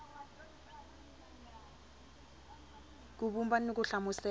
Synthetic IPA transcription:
k̬uɓumbanok̬uɬamusɛ

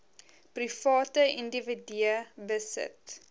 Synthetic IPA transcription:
prifɑːtəindəvidiəbəsə̰t

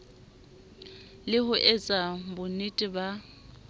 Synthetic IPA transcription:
lɪhʊʔɛt͡sʼabʊnitʼɪba

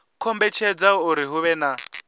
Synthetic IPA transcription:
kʰɔmbɛt͡ʃʰɛd͡zauɾiɦuβɛna

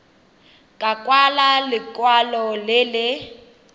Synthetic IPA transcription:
kʼakʼwalalɪkʼwalɔlɪlɪ

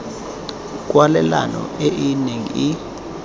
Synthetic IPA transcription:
k̬ʼwalɛlanɔ̰eʔineŋḭi

